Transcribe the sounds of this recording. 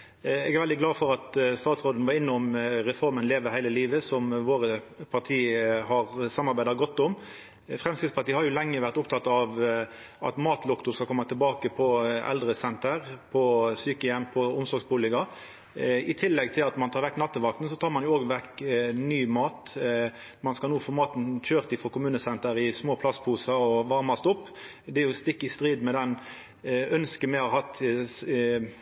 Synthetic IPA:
ɛɡɛʁʋɛld̪ɪɡlɑːfɔɾɑt̪st̪ɑːt̪sʁoːd̪ən̩ʋɑɪnːəʊmɾɛfɔɾmənleːʋəhæɪləliːʋəsɔmʋoːʁəpʰɑʁt̪ʰiːhɑɾsɑmːɑɾbæɪd̪ɑɡɔt̪ːʊm | fɾɛmskɪt̪spɑʁt̪iːəhɑɾjʊlɛŋːəʋæʁt̪ʊpt̪ʰɑt̪ːɑʋ | ʔɑ̰t̪mɑːt̪ʰlʊkt̪ʊskɑlkʰɔmːɑt̪ʰɪlbɑːkəpʰɔɛ̰ld̪ɾəsɛnt̪əʁpʰɔsyːkəjɛmpʰɔʊmsɔɾɡsbʊːlɪkɑ | ɪt̪ʰɪlːɛɡt̪ʰɪlɑt̪mɑnt̪ʰɑːɾʋɛkːnɑt̪ːəʋɑk̚t̪n̩sɔt̪ʰɑːʁmɑnjʊoːɡʋɛkːnyːmɑːt̪ | mɑnskɑnuːfɔmɑːt̪n̩çøːʁt̪ɪfɔkʊmʉːnəsɛnt̪əɾɪsmoːpʰlɑst̪pʰuːsɑɔʋɑʁmɑst̪ʊpː | d̪ɛæɾjʊst̪ɪkːɪst̪ʁiːd̪mɛd̪ɛn | œnskəmɛɪhɑɾhɑt̪

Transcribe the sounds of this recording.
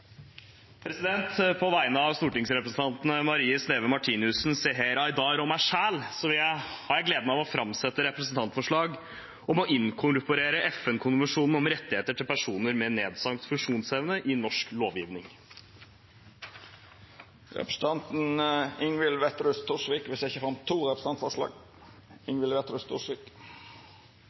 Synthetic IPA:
pʰɾɛsɪd̪ɛnt̪pʰɔʋæɪnəɑʋst̪uːʈɪŋsɾɛpɾəsn̩t̪ɑnt̪nəmɑɾiːəsneːʋəmɑʈʰiːnɪʉsnseːɦeːɾɑɪd̪ɑːɾɔmæɪʂæːlsɔʋɪljæɪhɑɾjæɪɡleːd̪əmæʋɔfɾɑmsɛt̪ːəɾɛpɾəsn̩t̪ʰɑnt̪fɔʂɭɑːɡ | ɔmɔʔɪnkʰʊɾʊpʊɾeːɾəʔɛfɛnkʰʊnʋəʂuːnn̩ɔmɾɛt̪ːɪheːt̪əʈʰɪlpʰæʂuːnəɾmɛneːd̪sɑŋt̪fʉʂuːnsɛʋənəʔɪnːɔʂkloːʋjiːʋnɪŋ | ɾɛ̰pɾə̥s̩t̪ʰɑnt̪n̩ɪŋʋɪlʋɛt̪ɾʉst̪ʰuʂʋiːkʋɪsɛɪçəfɾɑnt̪ʰːuːɾɛpɾəs̩ɑnt̪fɔʂlɑ̰ːɡ | ɪŋʋɪlʋɛt̪ɾʉst̪ʰuʂʋiːk

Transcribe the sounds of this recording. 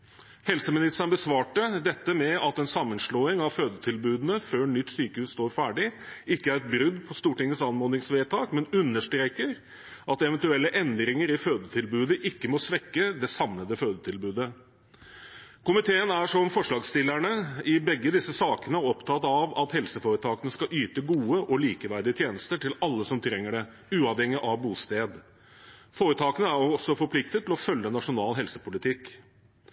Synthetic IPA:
hɛlsəmɪnɪst̪əɳbəsʋɑːʈəd̪ɛt̪ːəmɛɑt̪ɛnsɑmːənʂɭoːɪŋɑʋføːd̪ət̪ʰɪlbʉːd̪ənəføːɳʏt̪ːsyːkəhʉːsst̪oːɾfæːɖɪɪkːəæɾɛt̪̚bɾʉd̪ːpʰɔst̪uːʈɪŋːəsɑnmoːd̪ɪŋsʋeːt̪ʰɑːkmɛnʉnːəʂʈɾeːkəɾ | ʔɑt̪ɛʋɛnt̪ʉɛlːəʔɛnd̪ɾɪŋəɾɪføːd̪ət̪ʰɪlbʉːd̪əʔɪkːəmɔsʋɛkːəd̪ɛsɑmnəd̪əføːd̪ət̪ʰɪlbʉːd̪ə | kʊmɪt̪ʰeːənæʂɔmfɔʂlɑːɡst̪ɪlːæɳəɪbɛɡːəd̪ɪsːəsɑːkənəɔpt̪ʰɑt̪ɑʋɑt̪hɛlsəfoːɾət̪ʰɑːkənəskɑʔyːt̪əɡuːəʔɔliːkəʋæɾd̪ɪət̪jeːnəst̪əʈʰɪlɑlːəsɔmt̪ʰɾɛŋːəɖɛ | ʉːɑʋhɛŋːɪʔɑʋbuːst̪eːd̪ | foːɾət̪ʰɑːkənəæɾɔɔsɔfɔpʰlɪkt̪ət̪ʰːɪlɔfœlːənɑʂʊnɑːlɦɛlsə̥pʊlɪt̪ʰɪkː

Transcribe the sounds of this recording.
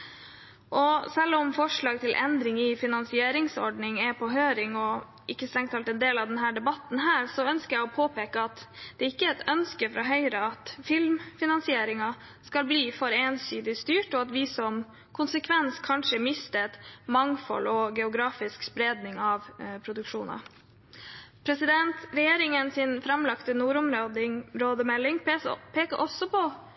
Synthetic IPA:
ʔɔsɛlːɔmfɔʂɭɑːɡ̚t̪ʰɪlʔɛnd̪ɾɪŋɪfɪnɑnsɪeːɾɪŋsɔ̰ɖɳɪŋɛpʰɔɦøːɾɪŋɔ | ʔɪkːəst̪ɾɛŋt̪ʰɑlt̪ɛnd̪eːlɑʋd̪ɛnɦæːɖɛbɑt̪ːn̩ɦæːɾsɔœnskəjæɪɔpʰoːpʰeːkəɑt̪d̪̥ɛɪkːəɛt̪œnskəfɾʔɑɦœʏɾəɑt̪fɪlmfɪnɑnsɪeːɾɪŋɑ | skɑlbliːfɔɾeːnsyːd̪ɪst̪yːʈɔɑt̪ʋɪsɔm | kʰʊnsəkʰʋɛnskʰɑnʂəmɪst̪ət̪mɑŋfɔ̰lɔɡɛʊɡɾɑːfɪskspɾeːd̪nɪŋɑʋpʰɾʊd̪ʉkʂuːnɑ̰ | pʰɾɛsɪd̪ɛnt̪ɾɛjeːɾɪŋənsɪnfɾɑmlɑkt̪ənuːɾʊmɾod̪ɾoːd̪əmɛlːɪŋpʰeːkəɾʔɔsːɔpʰɔ

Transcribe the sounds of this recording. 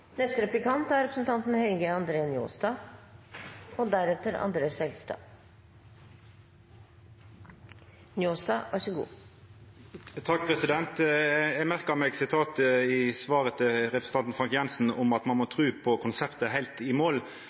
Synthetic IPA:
nɛst̪əɾɛplɪkɑnt̪æɾɛpʰɾəsn̩t̪ʰɑnt̪n̩hɛlɡəɑnd̪ɾeːnjo̰ːsd̪ɑː | od̪æɾɛt̪ːəɾɑ̰nd̪ɾeːsɛlst̪ɑ̰ː | njoːsd̪ɑːʋʔɑʂəɡṵː | t̪ʰɑkːpʰɾɛsɪd̪ɛnt̪ɛɡmæɾkəmɛːɡsɪt̪ʰɑːt̪ɪsʋɑːɾət̪ʰɪɾɛpɾəsn̩t̪ɑnt̪n̩fɾɑŋkjɛnsn̩ʊmɑt̪mɑnmɔt̪ʰɾʉːpʰɔkʰʊnsɛpt̪əɦæɪt̪ɪmoːl

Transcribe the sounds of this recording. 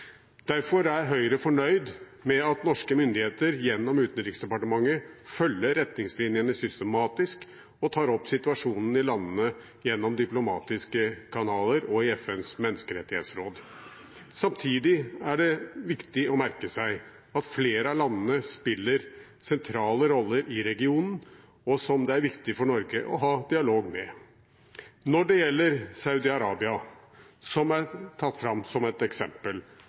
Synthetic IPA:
d̪̥æɾfɔɾæɾɦœʏɾəfɔɳœʏd̪ | mɛɑt̪nɔʂkəmʏnd̪ɪheːt̪əɾjɛnːɔmʉːt̪n̩ɾɪksd̪ɛpɑʈəmɑŋːəfœlːəɾɛt̪nɪŋslinɪənəsʏst̪əmɑːt̪ɪsk | ɔt̪ʰɑːɾɔpːsɪt̪ʉɑʂuːnən̩ɪlɑnːənə | jɛnːɔmd̪ɪplʊmɑ̰ːt̪ɪskəkʰɑnɑːləɾɔɪɛfɛnsmɛnːəskəɾɛt̪ːɪhḛːt̪sɾoːd̪ | sɑmt̪ʰiːd̪ɪæɖɛʋɪkt̪ɪɔmæɾkəsæɪ | ɑt̪fleːɾəɑlɑnːənəspɪlːəɾ | sɛnt̪ʰɾɑːləɾɔlːəɾʔɪɾɛɡɪuːnn̩ | ɔsɔmd̪ɛæɾʋɪkt̪ɪfɔɳɔɾɡəʔɔ̰ɦɑːd̪ɪɑloːɡmɛ | nɔɖɛjɛlːəɾsɑʉd̪ɪɑɾɑːbɪɑ | sɔmæɾt̪ʰɑt̪ːfɾɑmsɔmɛt̪ɛksɛmpəl

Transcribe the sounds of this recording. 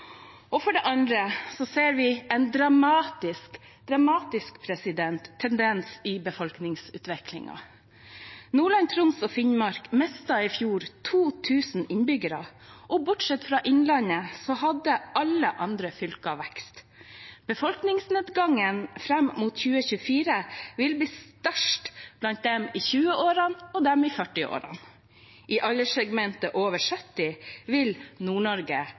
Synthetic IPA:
ɔfɔɖɛʔɑnd̪ɾəsɔseːɾʋɪɛnd̪ɾɑmɑːt̪ɪsk | d̪ɾɑmɑːt̪ɪskpʰɾɛsɪd̪ɛnt̪ʰːɛnd̪ɛnsɪbəfɔlknɪŋsʉ̰ːt̪ʋɛklɪ̰ŋɑ̰ | nuːɭɑnt̪ʰɾʊnsɔfɪnmɑɾkmɛst̪ɑɪfjuːɾt̪ʰuːt̪ʰʉːsn̩ɪnbʏɡəɾɑ̰ʔɔbʊʈʂɛt̪fɾɑːʔɪnlɑnəsɔhɑd̪əɑləʔɑnd̪ɾəfʏlkɑʋækst̪ | b̥əfɔlknɪŋsneːd̪ɡɑŋənfɾɛmmuːt̪çʉːəçʉːfiːɾəʋɪlbliːst̪œʂʈb̥lɑnt̪̚d̪ɛmiːçʉːəʔoːɾɑnɔd̪ɛmiːfœʈɪo̰ːɾɑ̰n | ʔiːʔɑləsɛɡmɛnt̪əʔoːʋəʂœt̪ːɪʋɪlnuːɳɔɾɡə

